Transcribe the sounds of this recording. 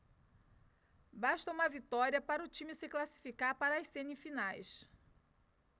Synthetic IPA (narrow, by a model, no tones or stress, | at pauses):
baʃt̪ɐũmɐvit̪ɔɾiɐpaɾɐʊt͡ʃĩmɪsɪklasi̥fikaɾpaɾɐjsẽnifinajs